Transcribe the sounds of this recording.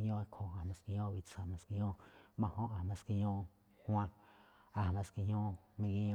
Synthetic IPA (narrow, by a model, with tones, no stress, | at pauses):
ɲõ˦˧˦kʰo˨a˨mã˧ski˧ɲõ˦βi˧t͡sa˨mã˧ski˧ɲ˦õ˦mã˧hõ˦ʔa˨mã˧ski˧ɲõ˦˧ | hw̃ã˧ | a˨mã˧ski˧ɲ˦õ˦mĩ˧ki˧ɲõ